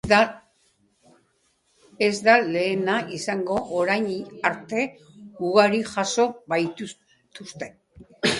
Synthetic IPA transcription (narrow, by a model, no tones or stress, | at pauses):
ezd̪ale̞ːnaʔisaŋɡo̞ʔoɾajɲaɾt̪e̞ | ɡuɣaɾiʝaso̞βaj̪u | t̪ust̪e̞